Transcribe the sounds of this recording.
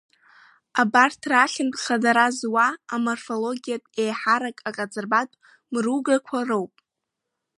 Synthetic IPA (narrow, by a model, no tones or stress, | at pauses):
abartʰraχʲɪnpʼχadaɾazwaːmorfo̞lo̞ɡʲijatʼe̞jħaɾakʼaqʼad͡zʼɨrbatʼ | mruɡakʷʰarowpʼ